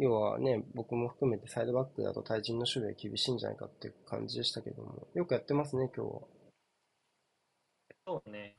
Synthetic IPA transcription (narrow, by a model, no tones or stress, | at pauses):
jo̞ːβa̰ne̞bo̞kɯ̟mo̞ɸɯ̟̥kɯ̟me̞t̪e̞said̪o̞bakːɯ̟d̪a̰t̪o̞t̪ʰaiʑĩnːo̞ɕɨbʲiakʲibʲiɕĩːɲ̟d͡ʑana̰ikat̪ːḛɯkʰã̰ɲ̟d͡ʑid̪e̞ɕi̥t̪ake̞d̪o̞̰mo̞̰jo̞kɯ̟jat̪ːe̞masɨne̞kʲo̰ːβa̰ | oːne